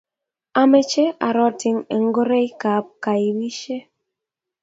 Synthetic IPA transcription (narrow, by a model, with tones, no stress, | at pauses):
a˦me˦t͡ʃe˦a˨ɾɔ˦ti˦ŋḛ˨ŋ̩˦ɡɔ˦ɾe˦i˦ka˨˦p̚ka˨i˨wi˦ʃe˦